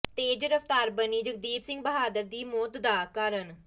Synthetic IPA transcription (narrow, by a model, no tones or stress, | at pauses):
t̪eːd͡ʒɾəft̪aːɾbəniːd͡ʒəɡ̚d̪iːbsɪ̃ŋɡ̚bəɦaːd̪əɾd̪iːmoːt̪d̪aːkəɾən